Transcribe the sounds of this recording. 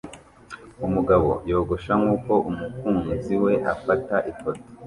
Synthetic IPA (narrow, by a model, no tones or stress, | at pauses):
umuɡaβo̞̰jo̞ːɡo̞ʃaŋuːko̞ʔumukuːnziwe̞ʔa̰fataʔikoti̥